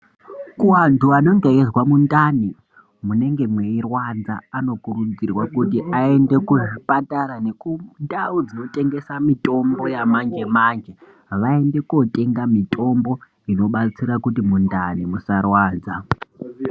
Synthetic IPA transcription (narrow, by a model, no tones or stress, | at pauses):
kuwantuano̞ŋɡeezwamundani | mune̞ŋɡe̞mwe̞irwanza̰ːno̞kuɾud͡zirwakutiʔae̞nde̞kuʐipataɾane̞kundaud͡zino̞tʼe̞ŋɡe̞samito̞mbo̞jamand͡ʒe̞maːnd͡ʒe | ʋae̞nde̞kuo̞tʼe̞ŋɡamitʰʼo̞mbo̞ | ino̞ɓat͡siɾakutimundanimusarwaːd͡za